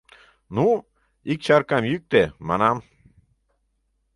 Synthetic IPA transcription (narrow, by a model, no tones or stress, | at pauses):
nu | ik̚t͡ɕɑrkɑmjyk̚t̪emɑ̰nɑm